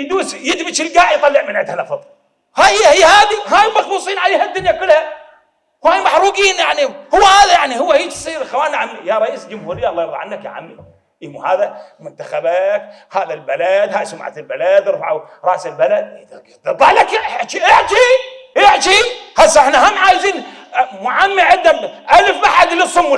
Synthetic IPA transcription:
jd̪uːsjɪd̪bɪt͡ʃɪlɡaːʕjt̪ˤɑlːɪʕmɪnʕɪd̪hanafɨðˤ | haːjjːhiːhaːd̪iɦaːjmɑxbuːsˤiːnʕaleːhad̪ːʊnjakʊlːha | whaːjmɑħɾˤuːɡiːnjaʕnihʊwːahaːðajaʕnihʊwːahiːt̪sˤiːɾxawaːnʕamijaɾˤɑʔiːsld͡ʒʊmhuːɾɪjːaʔɑlˤːɑːjɑɾˤaʕanːakja̰ʕa̰mni | ʔɪmuha̰ːðamʊnt̪axabakhaːðalbalad̪haːjsama̰ʕa̰t̪ɪlbalad̪ɾfa̰ʕu | ɾˤɑ̰ʔsɪlbalad̪̚ | d̪ˤɑʕlakt̪iʔɪʕt̪iʔɪʕt̪ihasːɪħnahamʕaːjziːnmʊʕamːiʕɪd̪ːamʔalɪfbaħad̪lisˤʊmː

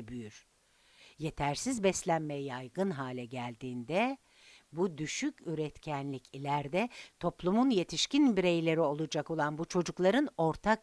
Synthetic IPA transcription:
byjyɾ̥ | je̞t̪ʰæɾsizbɛslʲænmejɛjajɡɯnɦaːlʲɛɟælʲd̪iːnd̪ɛ | bud̪yʃycyɾɛt̪cʰænlʲicʰilʲæɾd̪ɛt̪ʰo̞plˠumunje̞t̪ʰiʃcinbiɾe̞jlʲe̞ɾio̞lˠud͡ʒako̞lˠanbut͡ʃʰo̞d͡ʒuklˠaɾɯno̞ɾt̪ʰak

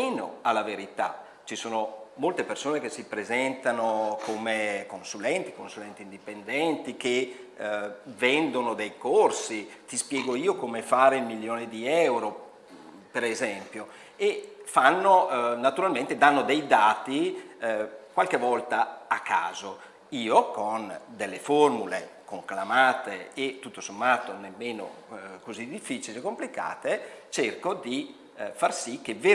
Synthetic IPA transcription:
eno̰alːaveɾit̪a̰ | t͡ʃisoːnomolt̪epersoːnekesipɾezɛnt̪anokomekonsulɛnt̪i̥konsulɛnt̪iːnd̪ipend̪ɛnt̪ik̟e | vɛnd̪onod̪ejkorsit̪ispjɛːɡoiːokomefaːɾeilmiljoːned̪iɛwɾo | peɾezɛmpjo | efanːonat̪uɾalment̪ed̪anːod̪ɛjd̪aːt̪i | kwalkevɔlt̪aːkːa̰ːzo | iːokond̪elːeformulḛkoŋklamaːt̪eːt̪ːut̪ːosomːaːt̪onemːeːno̰kozid̪ifːiːt͡ʃilekːomplika̰ːt̪et͡ʃerkod̪i | farsikːeve

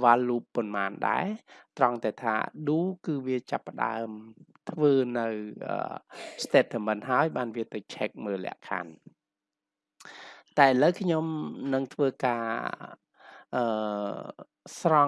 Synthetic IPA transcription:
ʋaːlːuːpːʊnmaːnɗa̰ɛt̪rɑŋt̪aɛt̪ʰa̰ːɗuːkɨːʋiət͡ɕapːə̆ɗa̰əmt̪ʰʋəːnɨwʔə̰ːst̪eːt̪ʰːəmɨnhaəjɓaːnʋiət̪ɨwt͡ɕʰɛk̚məːlɛ̰̆əʔkʰa̰n | t̪aɛʔələwkʰɲomnɨŋt̪ʰʋəːkaː | ʔəː | srɑ

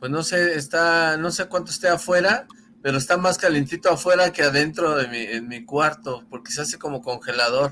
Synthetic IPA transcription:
pwe̞zno̞se̞ːst̪ano̞se̞kwant̪oest̪e̞afwe̞ɾa | pe̞ɾo̞est̪amaskale̞nt̪it̪o̞afwe̞ɾake̞aðe̞nt̪ɾo̞ðemienmikwaɾt̪o̞po̞ɾkesease̞ko̞mo̞ko̞ŋxe̞laðo̞ɾ

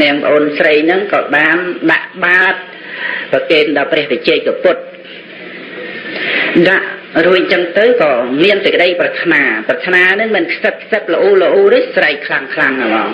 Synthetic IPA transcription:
nɨ̆əŋpə̰̆ʔoːnsrəjnɨŋkɑːɓaːnɗaʔɓaət̪̚ | pɑkeːnɗɑːprɛ̆əhpət͡ɕɛːc̚kapʊt̪̚ | ɗaʔruəc̚nt͡ɕəŋt̪ɨwkɑːmiənsəc̚kə̆ɗəjprɑt̪ʰnaːprɑt̪ʰnaːnɨŋmɨnkʰsət̚kʰsət̪̚ləʔuːləʔuːɾɨhsrəjkʰlaŋkʰlaŋamɑːŋ

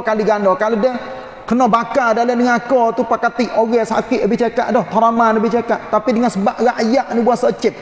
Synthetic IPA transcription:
kaliɡandɔkalodəh | kənɔbakadalənəŋakɔt̪upakat̪iʔoɡɛsa̰kɪʔləbɪht͡ʃakaʔdɔht̪ɔɾamanləbɪht͡ʃakaʔt̪apidəŋansəbaʔɾaʔjaʔnibuasət͡ʃɪt̪̚

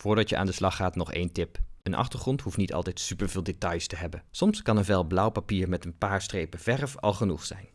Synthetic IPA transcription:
v̥ʊːɹdɑtjəʔa̰ːndəslɑχaːtnɔχḛjntɪpənʔɑ̰χtəɹχrɔntɦuftnitɑ̰lˠtɛjtsypəɹvɪːlˠdetɑjstəɦɛbənsɔmskɑnənvɛlˠblʌwpapiːɹmɛtənpaːɹstrejpəvɛrəfɑ̰lˠχənuχsɛ̰jn

